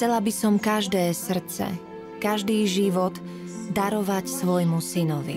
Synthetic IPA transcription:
xt͡sɛlabisɔmkaʒd̪ɛːsr̩t͡sɛ̰ | kaʒd̪iːʒiʋɔd̪ | d̪aɾɔʋacsʋɔjmusinɔʋḭ

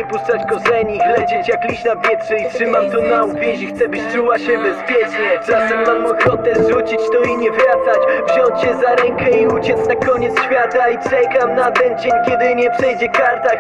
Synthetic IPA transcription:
pust̪sat͡ɕkɔzɛɲixlɛd͡ʑɛt͡ɕjaklʲiɕnapʲjɛtʂɛitʂɘmamt̪ɔnauvʲjɛɕixt̪sɛbɘɕt͡ʂuwaɕɛbɛspʲjɛt͡ʂɲɛzat̪ɛmːamːɔɡɾɔt̪ɛzʐut͡ɕit͡ɕt̪ɔiɲɛvat̪sat͡ɕvʑɔnt͡ɕɕɛzaɾɛŋkɛiut͡ɕɛt̪snakɔɲɛt̪sɕfʲjat̪ait͡ʂɛkamnad̪ɛɲd͡ʑɛmkʲɛd̪ɘɲɛpʂɛjd͡ʑɛkaɾt̪a

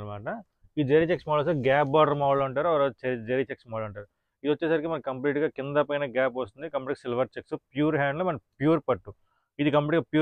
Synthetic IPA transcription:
ɾmaːʈɐ | iːd͡ʒɐɾiɐt͡ʃeksmaːlɐs̬ɐɡaːpbaːɖɾɐmaːʋɽoɐɳʈaːɾuɐʋɐɾat͡ʃɐd͡ʒɐɾiɐt͡ʃeksmaːlɐɳʈaːɾu | id̪iʋɐt͡ʃːɛːsaːɾik̬imɐnɐkɐmpliːʈɡaːkind̪ɐpɐjnɐɡaːpɐst̪und̪ikɐmpiʈːiksilʋɐɾt͡ʃeksupjuːɾɦaːɳɖlumɐnɐpjuːɾpɐʈːu | id̪ikɐmpliʈɡaːpjuː

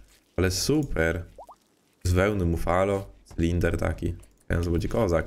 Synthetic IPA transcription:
alɛsupʰɛɾ | zvɛwnɨmufalɔslʲind̪ɛɾt̪a̰kʲḭ | a̰jɛ̰̃nzɔbɔd͡ʑɛkɔza

